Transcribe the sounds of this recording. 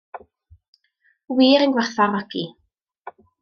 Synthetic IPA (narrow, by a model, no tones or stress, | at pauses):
wiːɾənɡwarθarɔɡi